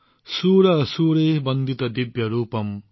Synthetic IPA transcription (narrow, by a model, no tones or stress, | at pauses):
suːɾɐsuːɾeːbʌnd̪ʱit̪ɐd̪ibjɐɾuːpʌm